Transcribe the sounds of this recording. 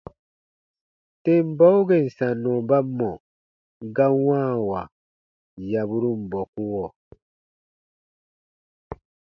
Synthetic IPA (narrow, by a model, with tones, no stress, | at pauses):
te˦m˦ba˦u˦ɡe˨n̩˨sa˨nːɔ˨ba˦mːɔ˨ | ɡa˦wãː˦wa˨ | ja˨bu˦ɾu˦m˨bɔ˨ku˦wɔ˨